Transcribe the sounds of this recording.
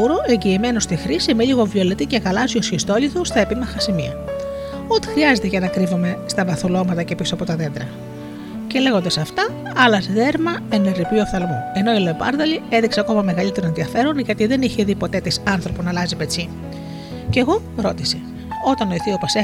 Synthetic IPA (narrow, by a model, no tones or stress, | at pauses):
uɾo̞ʔe̞ɲɟiːme̞nost̪ixɾisimeʎiɣo̞vio̞le̞t̪iceɣɐlɐziosçist̪o̞liθost̪ɐe̞pimɐxɐsimiɐ̰ | ot̪i̥xɾiɐze̞t̪eʝɐnɐkɾivome̞st̪ɐvɐθulo̞mɐt̪ɐce̞pisoɐpo̞t̪ɐðe̞nd̪ɾɐ | ce̞le̞ɣo̞nd̪ɐsɐft̪ɐ | ɐlɐsðe̞ɾmɐeneɾipiofθɐlmoe̞no̞iloepɐ̰ɾðɐlie̞ðikseɐko̞mɐme̞ɣɐlit̪eɾoe̞nðiɐfe̞ɾonʝɐt̪iðe̞niçe̞ðipo̞t̪e̞t̪isɐnθɾo̞ponɐlɐzipe̞t͡si | ce̞ɣo̞ɾo̞t̪ise̞ | o̞t̪ɐnoiθiopɐse